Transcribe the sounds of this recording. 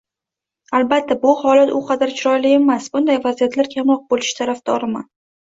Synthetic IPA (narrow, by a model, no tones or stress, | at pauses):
albat̪ʰːabʊhɒlat̪ʊqʰɑd̪aɾt͡ʃʰɾɒjlɪe̞masbʊnd̪ajvazijat̪ʰlaɾkʲʰamɾɒq̚bolɪʃt̪ʰaɾafd̪ɒɾɪma